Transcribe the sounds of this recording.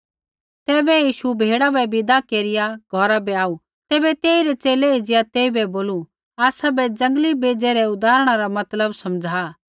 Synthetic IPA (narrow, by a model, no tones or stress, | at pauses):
t̪ɛːbɛjiːʃubʱeːɽabɛbɪd̪akeːɾɪjaɡʱɔɾabɛaːu | t̪ɛːbɛt̪eːiɾɛt͡ʃeːlɛid͡ʒɪjat̪eːibɛboːlu | aːsabɛd͡ʒɐ̃ŋɡlibeːd͡ʒeɾɛʊd̪aːɾəɽ̃aɾamɐt̪ləbsɐmd͡zʱaː